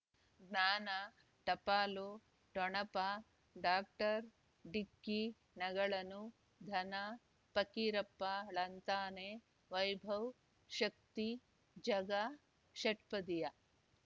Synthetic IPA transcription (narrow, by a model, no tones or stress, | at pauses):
ɡnaːna | ʈɐpaːloː | ʈɔɳɐpa | ɖaːk̚ʈɐɾ | ɖikːi | nɐɡɐɭɐnu | d̪ʱɐna | pɐkiɾɐpːaɭɐnt̪aːneː | ʋɐjbʱɐw | ʃɐk̚t̪i | d͡ʒɐɡa | ʃɐʈpɐd̪ijɐ